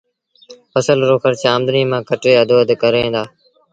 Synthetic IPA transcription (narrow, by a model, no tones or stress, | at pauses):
pəsəlɾoːkʰəɾt͡ʃaːmd̪nĩːmãːkəʈeːəd̪oːəd̪kəɾẽːnd̪aː